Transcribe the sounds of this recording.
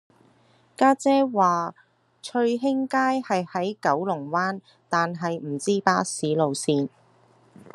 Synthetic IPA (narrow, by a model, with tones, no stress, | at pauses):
kaː˥t͡sɛː˥waː˨ | t͡ʃʰɵ˧ɥɦɪ˥ŋkaː˥jhɐ˨jhɐ˨˥jkɐ˨˥wlʊ˨˩ŋwaː˥n | t̪aː˨nɦɐ˨jm̩˨˩t͡siː˥paː˧˥siː˨˥lo˨wsiː˧n